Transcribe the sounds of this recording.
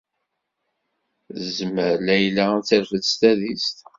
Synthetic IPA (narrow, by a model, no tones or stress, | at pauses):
zməɾlæjlæt͡sːəɾfəðst̪æðist̪